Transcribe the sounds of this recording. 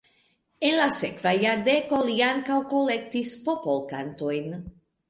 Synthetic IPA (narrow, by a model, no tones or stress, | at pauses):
enlasekvajaɾd̪ekoliaŋkawkolek̚t̪ispopolkant̪ojn